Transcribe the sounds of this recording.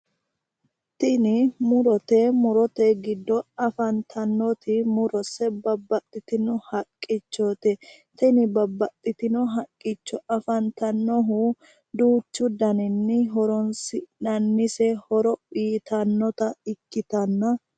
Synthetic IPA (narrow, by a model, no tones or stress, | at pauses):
t̪ɪnɪmʊɾɔt̪ɛmʊɾɔt̪ɛɡɪd̪ːɔɐfɐnt̪ʰɐnːɔt̪ɪmʊɾɔsɛbɐbːɐt̪ʼːɪt̪ɪnɔhɐkʼːɪt͡ʃːot̪ɛ | t̪ɛnɪbɐbːɐt̪ʼːɪt̪ɪnɔɦɐkʼːɪt͡ʃːɔʔɐfɐnt̪ɐnːɔɦʊ | d̪uːt͡ʃːʊd̪ɐnɪnːɪɦɔɾɔnsɪnɐnːɪsɛhɔɾɔpiːt̪ʰɐnːɔt̪ɐɪkːɪt̪ɐnːɐ